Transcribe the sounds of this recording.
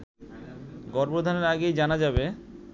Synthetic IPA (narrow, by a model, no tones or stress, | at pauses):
ɡɔɾbod̪ʱaneɾaɡejd͡ʑanad͡ʑabe